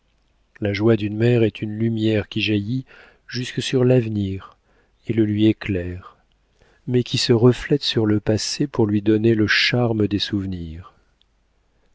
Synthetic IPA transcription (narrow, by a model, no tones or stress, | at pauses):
laʒwad̪ynmɛʁɛt̪ʰynlymjɛʁkʲiʒaji | ʒyskəsyʁlavniʁ | eləlɥieklɛʁ | mɛkʲisəʁəflɛt̪syʁləpasepuʁlɥid̪ɔneləʃaʁməd̪esuvniːʁ